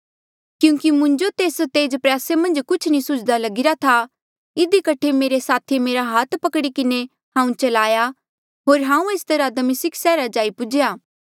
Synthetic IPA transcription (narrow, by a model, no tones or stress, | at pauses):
kjũːkimʊ̃nd͡ʒot̪eːst̪eːd͡ʒpɾaːsemɐ̃nd͡ʒkʊt͡ʃʰnĩsʊt͡ʃʰd̪alɐɡɪɾat̪ʰa | ɪd̪ikɐʈʰemeːɾesaːt̪ʰimeːɾaɦaːt̪ʰpɐkɽikɪne | hãːũt͡ʃɐlaːja | ɦoːɾɦãːũeːst̪ɐɾad̪misɪkʰsɛːɾad͡ʒaːipʊd͡ʒejaː